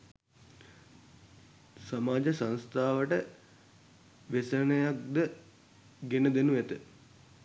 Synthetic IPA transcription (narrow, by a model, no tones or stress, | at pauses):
samaːd͡ʒəsãnst̪ʰaːʋəʈə | ʋesənəjak̚d̪ə | ɡenəd̪enuʋet̪ə